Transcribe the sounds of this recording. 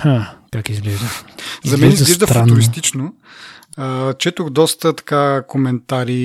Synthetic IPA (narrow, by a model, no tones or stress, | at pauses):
hakakizɡlɛʒd̪əzɐɡmɛɛʒizlɛʒd̪əffɾanʊɾist̪it͡ʃno | ət͡ʃɛt̪ʊxd̪ɔst̪ət̪ɐ̥kakomɛnt̪aɾi